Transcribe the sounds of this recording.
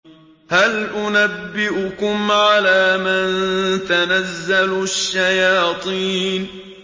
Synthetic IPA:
halʔʊnabːɪʔʊkʊmʕalaːmant̪anazːalʃːajɑːt̪ˤiːn

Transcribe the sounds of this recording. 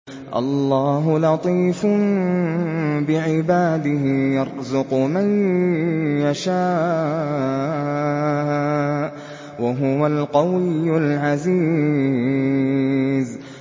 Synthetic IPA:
ʔɑ̰lˤːɑːɦʊlɑt̪ˤiːfʊ | bɪʕɪbaːd̪ɪɦɪjɑɾzʊqman | jaʃaː | waɦʊwalqɑwɪjːʊlʕaziː | z

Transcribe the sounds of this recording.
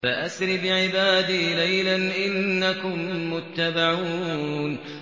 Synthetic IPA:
faʔasɾɪbɪʕɪbaːd̪iːlajlanʔɪnnːakʊmːʊt̪ːabaʕuːn

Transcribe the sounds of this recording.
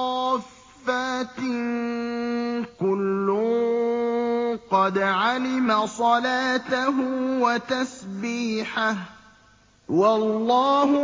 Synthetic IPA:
ffːat̪ | kʊlːʊ | qɑd̪ʕalɪmasˤɑlaːt̪aɦwat̪asbiːħah | wɑlˤːɑːhʊ

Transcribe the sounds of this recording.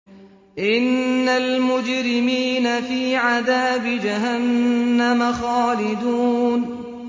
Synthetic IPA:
ʔɪnːalmʊd͡ʒɾɪmiːnafiːʕaðaːbɪd͡ʒaɦanːamaxaːlɪd̪uːn

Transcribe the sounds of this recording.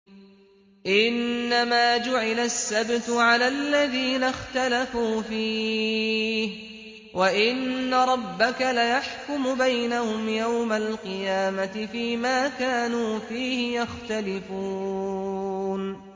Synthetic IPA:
ʔɪnːamaːd͡ʒʊʕɪlasːabt̪ʊʕalaːlːaðiːnaxt̪alafuːfiː | h | waʔɪnːaɾˤɑbːakalajaħkʊmʊbajnahʊmjawmalqɨjaːmat̪ɪfiːmaːkaːnuːfiːhɪjaxt̪alɪfuː | n

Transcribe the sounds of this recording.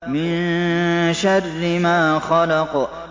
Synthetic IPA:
mɪn | ʃarːɪmaːxɑlɑq

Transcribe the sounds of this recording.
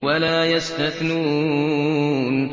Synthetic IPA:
walaːjast̪aθnuː | n

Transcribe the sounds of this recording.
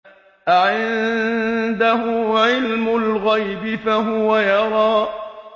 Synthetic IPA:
ʔʕɪn | d̪aɦʊʕɪlmʊlɣajbɪfaɦʊwajɑɾˤɑː

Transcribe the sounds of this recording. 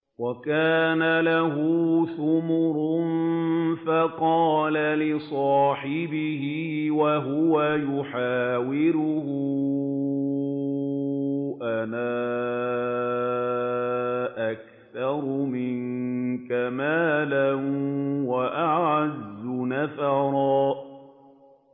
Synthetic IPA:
wakaːnalaɦuθʊmʊɾʊnfaqɑːlalɪsˤɑːħɪbɪhɪwaɦʊwajʊħaːwɪɾʊhʊ | ʔanaː | ʔak | θɑɾˤʊmɪnkamaːlanwaʔaʕazːʊnafaɾˤɑː

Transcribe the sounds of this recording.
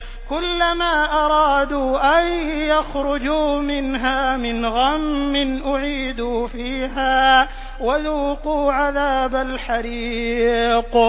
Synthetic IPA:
kʊlːamaːʔɑɾˤɑːd̪uːʔajːaxɾʊd͡ʒuːmɪnɦaːmɪnɣamːɪnʔʊʕiːd̪uːfiːɦaː | waðuːquːʕaðaːbalħaɾi | q

